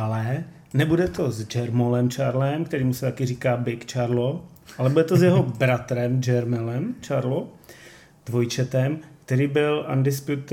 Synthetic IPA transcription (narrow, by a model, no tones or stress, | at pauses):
ʔalɛ | nɛbudɛt̪o̞zd͡ʒɛɾmolɛmt͡ʃaɾlɛmkt̪ɛɾiːmusɛt̪akɪriːkaːbɪkt͡ʃaɾloalɛbudɛt̪ozjɛɦo̞bɾat̪ɾɛmd͡ʒɛɾmɛlɛmt͡ʃaɾlo | d̥̪vojt͡ʃɛt̪ɛmkt̪ɛɾiːbɪlʔa̰ndɪspjut̪